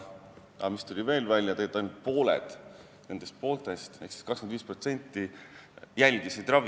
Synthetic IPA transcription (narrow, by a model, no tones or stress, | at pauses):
ɑ̰mist̪ulʲive̞ːlvælʲjɑt̪ejet̪ːɑjnud̪̥̚po̞ːlḛd̪̥ | ne̞nd̪̥e̞st̪̚po̞ːlt̪ˑe̞st̪e̞hksi̥skɑkskemnd̪iːspro̞t̪se̞nʲt̪ːˑi | jælʲd̪̥isid̪rɑv